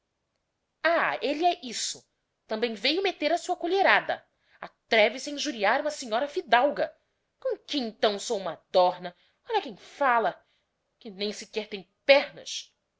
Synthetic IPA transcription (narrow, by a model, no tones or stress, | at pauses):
aelɪɛʔisʊ | t̪ɐ̃mbẽj̃vejʊmet̪eɾɐsuɐkoʎeɾad̪ɐ̰ | a̰t̪ɾɛvɪsaĩʒuɾiaɾũmɐsẽɲɔɾɐfid̪awɡɐ | kõkɪẽnt̪ɐ̃w̃sowũmɐd̪̥ɔɾnɐ | ɔlɐkẽj̃falɐ | kɪnẽj̃sɪkɛɾt̪ẽj̃pɛɾnɐ̰s